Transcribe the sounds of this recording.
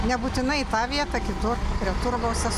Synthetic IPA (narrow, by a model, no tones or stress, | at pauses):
nʲɛbuːt̪ʲɪnɐɪt̪ɑːʋʲiɛt̪ɑkʲɪt̪ʊrpʲɾʲiɛt̪ʊɾɡoʊsʲɛ